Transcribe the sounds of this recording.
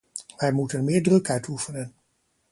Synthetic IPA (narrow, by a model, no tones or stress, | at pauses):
ʋɛjmutənmɪːɹdrɵkœɥtʰufənən